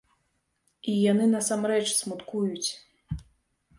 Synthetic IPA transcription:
ijanɨnɐsamɾɛt͡ʂsmut̪kujut͡sʲ

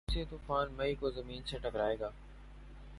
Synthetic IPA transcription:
set̪ufaːnmɐiːkoːzɐmiːnsẽːʈəkɾaːeːɡaː

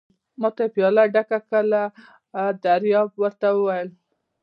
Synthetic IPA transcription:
mɑt̪apijɑlaɖakakəla | d̪aɾjɑb̚wəɾt̪awəwajəl

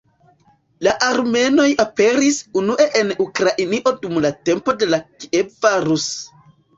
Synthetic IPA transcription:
laʔaɾme̞no̞jape̞ɾisunuʔe̞ʔenukɾaʔiniʔo̞dumlate̞mpo̞de̞lakiebvaɾus

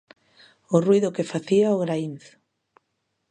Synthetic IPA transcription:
ʊruijðʊkefaθiaoɣɾainθʊ̥

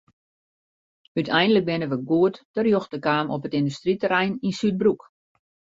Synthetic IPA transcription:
ytʰɛjndələk̚bɪnəʋəɡuətd̥ərjoxtəkaːmʔɔpətɪndystritəɾɛjninsyt̚bruk

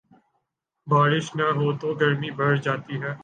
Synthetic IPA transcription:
baːɾɪʃnɐɦoːt̪oɡɐɾmibʱɐɾd͡ʒaːt̪iɦɛː

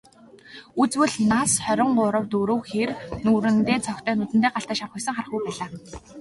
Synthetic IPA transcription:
ut͡swɘ̆ɮnasχœɾʲɪ̆ŋɢʊɾə̆wt̪uɾɵ̆wxernuːɾɘ̆nt̪eːt͡sʰɔkt̪œːnʊt̪ɘ̆t̪eːɢaɬt̪aːʃawχɵksə̆ŋχarə̆χɡujpæːɮaː

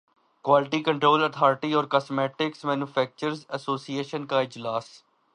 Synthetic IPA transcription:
kwaːlɪʈikə̃ɳʈɾoːlət̪ʰaːɾɪʈiɔːɾkasmɛːʈɪksmɛ̃ːnuːfʰɛːk̚t͡ʃəɾzəsoːsieːʃənkaɪd͡ʒlaːs

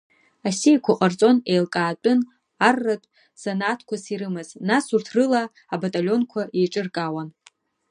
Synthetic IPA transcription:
asijkʷʰʊqʼart͡sʼo̞nejlkʼaːt͡pʷʼʊn | arːatʷʼ | sanatʰkʷʰasiɾɨmɨznasurtʰrɨlaː | batʼalʲo̞nkʷʰaijʈ͡ʂʼɨrkʼawan

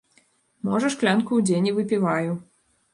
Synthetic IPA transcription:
mɔʐɐʂklʲankuwd͡zʲenʲivɨpʲivaju

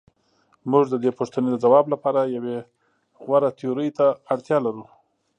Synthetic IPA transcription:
muʐd̪əd̪epoʂt̪əned̪əd͡zawɑblapɑɾajawe | ɣwaɾat̪ʰeoɾəjt̪aːɽt̪jɑlaɾu

